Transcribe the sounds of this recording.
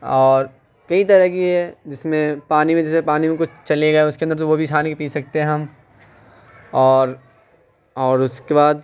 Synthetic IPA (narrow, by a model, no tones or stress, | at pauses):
ɔːɾ | kɐit̪ɐɾəkiɦɛd͡ʒɪsmẽpaːnimẽd͡ʒɪsmẽpaːnimẽkʊt͡ʃʰt͡ʃɐleɡɐeʊskeɐ̃nd̪əɾt̪̬oʋobʱisaːnikipiːsɐk̚t̪eɦɛ̃ɦɐm | ɔːɾ | ɔːɾʊskebaːd̪̚